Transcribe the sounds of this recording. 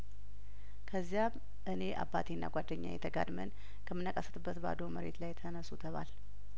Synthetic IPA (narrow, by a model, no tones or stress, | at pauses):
kʰəzːjam | ʔɨne̞ʔabːat̪ʰenːa̰ɡʷad̪ːəɲːa̰jɛ̰t̪ʰəɡa̰d̪mən | kʰəmːɨnːəkʼəsə̥t̪ɨbːət̪ba̰d̪oməɾe̞̰t̪lajt̪ʰənəsut̪ʰəβa̰l